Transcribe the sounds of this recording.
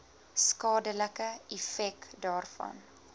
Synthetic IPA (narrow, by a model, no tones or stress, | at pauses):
skɑːdələkəɛfɛkdɑːrfɐ̰n